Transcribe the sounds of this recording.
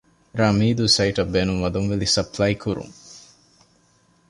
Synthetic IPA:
ɾɐmiːd̪usɐiʈɐbːeːnuŋʋɐd̪uŋʋelisɐpʰlɐjkʰuɾṵŋ

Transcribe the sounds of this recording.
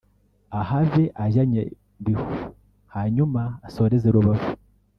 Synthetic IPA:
ahavjeʔaʒaɲḛ | βihu | haɲumaːsoːɾezeɾuβavu

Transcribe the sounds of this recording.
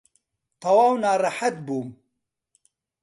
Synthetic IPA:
t̪ɑwaːwnaːraħat̪̚buːm

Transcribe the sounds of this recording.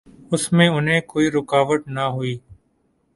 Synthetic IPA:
ʊsmẽːʊnɦẽːkoːiːɾʊkaːʋəʈnaːɦʊiː

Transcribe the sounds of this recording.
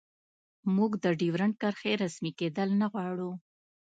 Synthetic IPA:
muɡd̪əɖiwɾaɳkaɾxeɾasmiked̪əlnaɣwɑɽu

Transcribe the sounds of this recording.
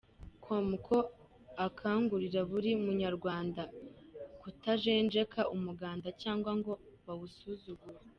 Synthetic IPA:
kʰwomukʰo̞ | akʰaːŋɡuɾiɾaβuɾiumuɲaɾɡwaːnda | kutaʒe̞ːnd͡ʒe̞kʰaumuɡaːndacaːŋɡwaŋɡo̞ | βaβusuzuɡuɾe

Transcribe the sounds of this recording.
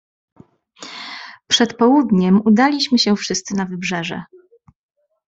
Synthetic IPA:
pʂɛt̪pɔwud̪ɲɛmud̪alʲiɕmɘɕɛfʂɘst̪sɘnavɘbʐɛʐɛ̰

